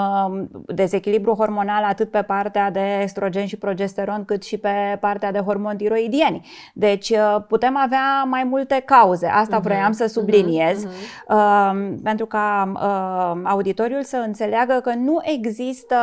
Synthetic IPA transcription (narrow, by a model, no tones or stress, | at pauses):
d̪e̞ze̞kʲilibɾuɦo̞rmo̞nalat̪ɨt̪̚pe̞part̪ead̪e̞ːkst̪ɾo̞d͡ʒe̞nʃipɾo̞d͡ʒe̞st̪e̞ɾo̞nkɨt̪ʃipe̞part̪ead̪e̞ɦo̞rmo̞nt̪iɾo̞id̪ie̞nʲ | d̪e̞t͡ʃʲəput̪e̞maveamajmult̪e̞kauze̞̰ʔast̪avɾo̞jamsəsublinie̞z | əpe̞nt̪ɾukaəaud̪it̪o̞ɾjulsəɨnt̪se̞leaɡəkənuʔe̞ɡzist̪ə